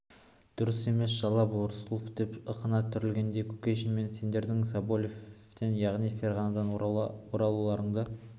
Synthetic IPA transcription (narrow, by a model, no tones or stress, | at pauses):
d̪̥ʊɾəse̞me̞sʒɑlˠɑbolˠəɾsulˠfd̪̥e̞pəqənɑt̪ʰʏɾɪlɡʲe̞nd̪e̞kʲʰɵ̥kʲeʃɪnme̞nse̞nd̪e̞ɾd̪ɪŋsɑbolʲef | t̪e̞njɑʁnijfʲe̞rʁanad̪ɑnwoɾɑlˠulˠɑɾəɴd̪ə